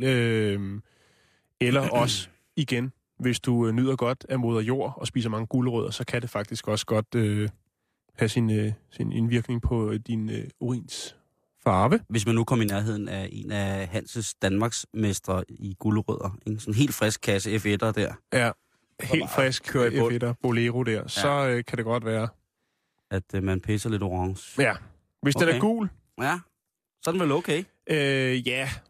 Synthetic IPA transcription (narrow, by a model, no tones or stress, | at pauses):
øm | elɐʔɒ̽sə | iɡ̥en | ʋe̝sd̥unyð̰ˠɐɡ̥ɒ̽d̥æmo̝ːð̞ˠɐjo̝̰ːɐ̰ɒ̽spḭːs̬ɐmɑ̈ŋəɡ̥uləʁœðˠɐsɒ̽kʰæd̥e̝fɑ̈ɡ̥̚d̥isɡ̥ɒ̽sə̥ɡ̥ɒ̽d̥ø | hæsinsinenʋiɐɡ̥ne̝ŋpʰɒ̽d̥inøoʁḭːns | fɑ̈ːʋəʋe̝s̬mænːukʰɒ̽m̰inæɐɦe̝ð̞̰ˠn̩æʔe̝̰næɦæn̰səsd̥ænmɑ̈ːɡ̥smesd̥ʁɐiɡ̥uləʁœð̰ˠɐeɡ̥sɒ̽nɦe̝̰ːldfʁɛsɡ̥̚kʰːæsəefed̥ɐd̥æɐ̰jæ | he̝̰ːld̥fʁɛsɡ̥dɐb̥o̝leʁod̥æɐ̰sɒ̽økʰæɾeɡ̥ɒ̽d̥ʋæːɐ | æd̥mænpʰesɐle̝d̥oʁɑŋsæ | ʋesdenæɐɡ̥ṵːl | jæ | sɒ̽d̥n̩ʋeloʊkʰe | ʔøjæ